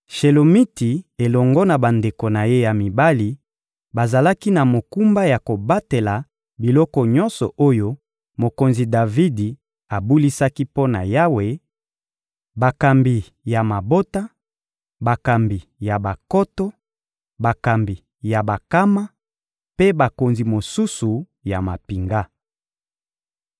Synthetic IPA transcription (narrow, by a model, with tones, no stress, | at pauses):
ʃe˨lo˨mi˦ti˨e˨lɔ˨ŋɡɔ˦na˨ba˨nde˨ko˨na˨je˦ja˨mi˨ba˦li˦ | ba˨za˨la˦ki˦na˨mo˨ku˦mba˦ja˨ko˨ba˦te˨la˨ | bi˨lɔ˦kɔ˨ɲɔ˦nsɔ̰˨o˦jo˦ | mo˨ko˨nzi˨da˨vi˦di˨ | a˨bu˦li˦sa˦ki˦po˦na̰˨ja˦we˦ | ba˨ka˨mbi˨ | ja˨ma˨bo˦ta˦ | ba˨ka˨mbi˨ja˨ba˨kɔ˦tɔ˦ | ba˨ka˨mbi˨ | ja˨ba˨ka˦ma˦ | pe˦ba˨ko˨nzi˨mo˨su˦su˨ | ja˨ma˨pi˨ŋɡa˦